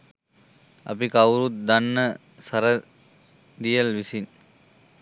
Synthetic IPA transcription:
ɐ̰pikawɾut̪̚d̪ɐnːə | sɐɾə | d̪ijəlʋisin

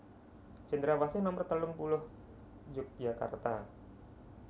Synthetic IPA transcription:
t͡ʃənd̪əɾawasɪnɔmərt̪əlʊŋpulʊh | d͡ʒʊk̚d͡ʒaka̰rt̪a

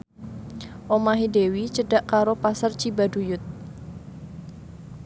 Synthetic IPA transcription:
ʔomaɦidewit͡ʃəɖaʔkaɾopasərt͡ʃibadujʊt̪̚

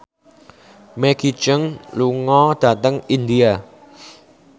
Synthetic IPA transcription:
mɛɡit͡ʃəŋluŋɔd̥ä̤t̪əŋind̪ia

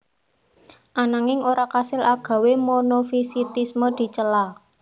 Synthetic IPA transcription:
ʔanaŋɪŋoɾakasɪlʔaɡ̥ä̤wemonofisit̪isməd̪̥i̤t͡ʃəla

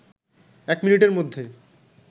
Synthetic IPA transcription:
ɛkminiʈeɾmod̪ʱːe

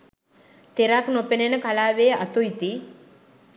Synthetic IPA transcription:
t̪eɾaknopenenəkalaːʋeːat̪uit̪i

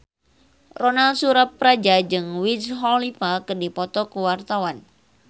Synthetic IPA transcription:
ronalsuɾapːɾad͡ʒad͡ʒɨŋwisɦɔlipakɨdipɔt̪ɔkəwart̪awan

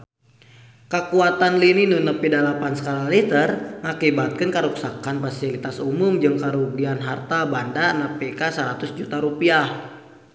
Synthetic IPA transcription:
kəkuat̪anlininunəpidalapansə̥kalalit̪ərŋakibat̪̚kənkəɾuksakanfasilit̪asumumd͡ʒɨŋkəɾuɡianɦart̪abandanəpikasəɾat̪ʊsd͡ʒut̪aɾupiah

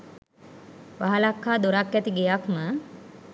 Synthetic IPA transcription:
ʋaɦalakːaːd̪oɾakːæt̪iɡejakmə

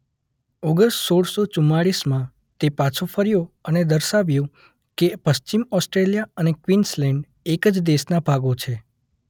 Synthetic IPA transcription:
ɔɡəɾssoɽsot͡ʃumːaɽismã | t̪epat͡ʃʰofəɾjoəned̪əɾʃaʋjõ | kepəst͡ʃimɔsʈɾelijaənekʋinslɛ̃ɳɖ | ekəd͡ʒd̪esnabʱaɡot͡ʃʰe

